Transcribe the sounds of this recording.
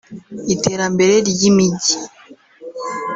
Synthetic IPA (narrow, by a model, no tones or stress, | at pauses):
iteɾambe̞ɾe̞ɾjimiɟi